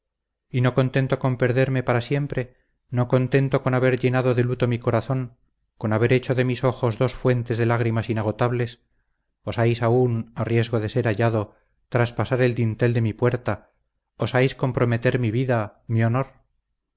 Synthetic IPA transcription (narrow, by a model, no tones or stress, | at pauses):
ino̞ko̞nt̪e̞nt̪o̞ko̞mpeɾðe̞ɾme̞paɾasje̞mpɾe̞ | no̞ko̞nt̪e̞nt̪o̞ko̞naβe̞ɾʎe̞naðo̞ðe̞lut̪o̞miko̞ɾaθo̞ŋ | ko̞naβe̞ɾet͡ʃoðe̞miso̞xo̞zðo̞sfwe̞nt̪e̞zðe̞laɣ̞ɾimasinaɣ̞o̞t̪aβle̞s | osajsaunarje̞zɣo̞ð̞e̞se̞ɾaʎaðo̞ | t̪ɾaspasaɾe̞ld̪int̪e̞ld̪e̞mipwe̞ɾt̪a | osajsko̞mpɾo̞met̪e̞ɾmiβiðamio̞no̞ɾ